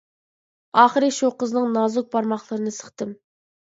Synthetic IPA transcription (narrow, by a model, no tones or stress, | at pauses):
ɑːχəɾɨʃuqəznɨŋnɑːzuk̚bɑɾmɑχlˠɨɾɨnɨsə̥χt̪ɨm